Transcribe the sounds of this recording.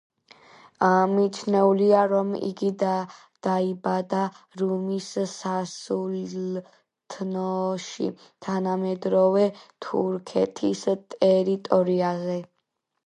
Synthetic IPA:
amit͡ʃʰnɛuliaɾɔmḭɡi | d̪̥aibad̪a | ɾumissasul | t̪ʰnɔʃḭ | t̪ʰanamɛd̪ɾɔvɛt̪ʰṵɾkʰɛt̪ʰist̪ʼɛɾit̪ʼɔɾiazɛ

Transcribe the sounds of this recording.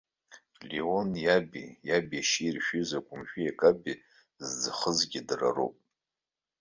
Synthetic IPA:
lionjabḭjabiaʃirʃᶣizakʷʼʊmʃᶣijakʼabi | zd͡zɨχəzɡʲidra̰ro̰pʼ

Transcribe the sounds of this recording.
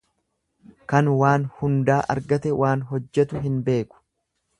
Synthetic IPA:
kɐnwaːnhʊnd̪aːʔɐ̰ɾɡɐt̪ɛwʔaːnɦɔd͡ʒːɛt̪ʊɦɪnbe̞ːkʊ̥

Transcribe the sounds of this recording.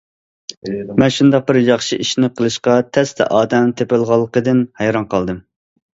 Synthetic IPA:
mɛnʃund̪ɑq̚bɪɾjɑχʃiʔiʃnɪqʰəlˠɨʃqɑt̪ʰɛst̪ʰɛ̰ʔɑːd̪ɛmt̪ʰepɪlˠʁɑlˠːəqəd̪ɨnhɛjɾɑnqʰɑlˠd̪ɨm

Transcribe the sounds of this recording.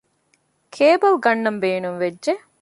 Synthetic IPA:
kʰeːbɐlɡɐnːɐmbeːnuŋʋed͡ʒʒe

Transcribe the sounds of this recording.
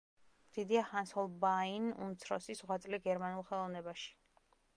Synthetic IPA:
d̪̥id̪iahansɔlˠbainṵmt̪sʰɾɔ̰sisʁwat̪sʼliɡɛɾmanulˠχɛlˠɔvnɛbaʃi̥

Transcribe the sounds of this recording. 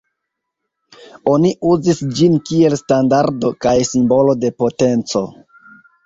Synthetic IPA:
o̞niuzisd͡ʒinkie̞lstandaɾdo̞kajsimbo̞lo̞de̞po̞te̞nt͡so̞

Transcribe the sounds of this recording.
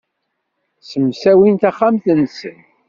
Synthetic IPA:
səmsæwint̪aχːamθnsə̰n

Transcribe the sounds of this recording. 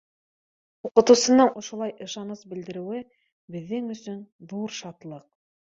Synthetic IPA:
uqɤ̆t̪ɤ̆wsɤ̆nɤɴʔŏʃŏlˠɑjʔɤ̆ʃɑnɤsbɘ̆ld̪ɘ̆ɾɘ̆wɘ | bɘ̆ðːɘŋɵ̆sɵnðuɾʃɑt̪lˠɤq̚

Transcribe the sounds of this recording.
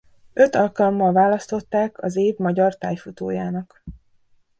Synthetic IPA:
ø̞t̪ɒlkɒlmːɒlvaːlɒst̪o̞t̪ːaːkʰɒzeːvmɒɟɒrt̪aːjfut̪o̰ːjaːnɒk

